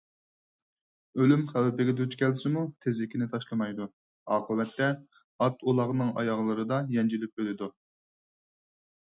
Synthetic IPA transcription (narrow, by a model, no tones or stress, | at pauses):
ølymχæwɪpɪɡʲɛd̪øt͡ʃkʲʰɛlsɪmut̪ʰezlɪkʲʰinɪt̪ʰɑʃlˠɨmɑjd̪u | ɑːqəwɛt̪ːɛ | ɑt̪ʰulˠɑʁnɨŋɑ̰jɑʁlˠɨɾɨd̪ɑjɛnd͡ʒilyp̚ølɪd̪u